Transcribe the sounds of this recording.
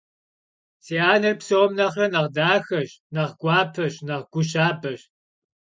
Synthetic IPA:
seːaːnɐrpsɐwɔmnɐχrɐnɐʁdaːxɐɕnɐʁɡʷɑːpʰɐɕnɐʁɡʷʊɕaːbɐɕ

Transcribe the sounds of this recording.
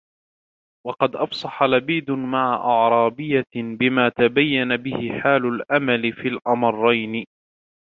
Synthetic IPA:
wɑqɑd̪ʔɑfsˤɑħalabiːd̪ʊmaʕaʔɑʕɾˤɑːbɪjːabɪmaːt̪abajːanabɪhɪħaːlʊlʔamalɪfiːlʔɑmɑrˤːɑjnɪ

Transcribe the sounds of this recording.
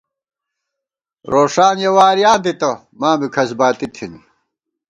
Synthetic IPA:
ɾoːʂaːnjɐwaːɾijaːnd̪it̪ɐ | maːmikʰɐsbaːt̪it̪ʰin

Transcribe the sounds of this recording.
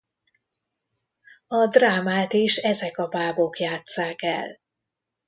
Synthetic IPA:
ɒd̪raːmaːt̪iʃɛzɛkɒbaːbo̞kjaːt̪saːkɛ̰l

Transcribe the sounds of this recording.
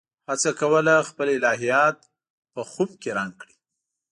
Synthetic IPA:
hat͡sakawəlaxpəlɪlɑɦijɑt̪̚ | pəxub̚keɾaŋkɽi̥

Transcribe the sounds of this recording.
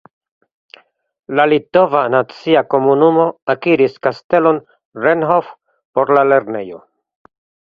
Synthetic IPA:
lalito̞vanat͡siako̞munumo̞akiɾiskaste̞lo̞n | ɾenɦo̞f | po̞ɾlale̞ɾne̞̰jo̞̰

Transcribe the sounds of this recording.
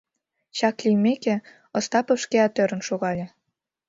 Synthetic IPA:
ɕɑklijmeke | ŏst̪ɑpə̆ʃkeɑt̪øɾə̆nʃoɣɑlʲĕ

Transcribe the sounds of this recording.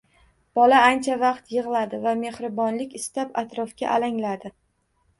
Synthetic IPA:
b̥ɒlaant͡ʃʰavɑqt̪jɨʁlˠad̪ɪvame̞hɾɪbɒnlɪkʲɪst̪apat̪ɾɒfkʲa̰ʔalaŋlad̪ɪ

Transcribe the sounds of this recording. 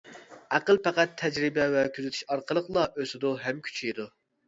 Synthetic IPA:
æqəlˠpæqæt̪ʰːɛd͡ʒɾɪbɛvɛkʲʰyzet̪ʰy̥ʃɑɾqəlˠəqlˠɑʔøsɪd̪ʊɦɛmkʲʰy̥t͡ʃʰijd̪u

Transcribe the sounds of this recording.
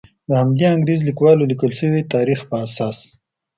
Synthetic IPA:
d̪əhamd̪eaŋɡɾizlikwɑlolikəlʃəwit̪ɑɾixpəasɑs

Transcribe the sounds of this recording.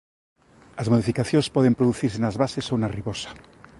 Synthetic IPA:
azmoðifikaθjonspɔðempɾoðuθiɾsenazβasesownariβosḁ

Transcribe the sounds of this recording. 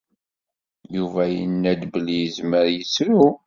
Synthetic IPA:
juvæjənːæd̪blijəzməɾjəsɾu

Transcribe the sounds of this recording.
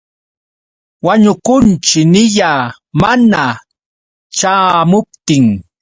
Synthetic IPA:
waɲʊkʊnt͡ʃɪnɪʎaː | mana | t͡ʃaːmʊp̚t̪ɪŋ

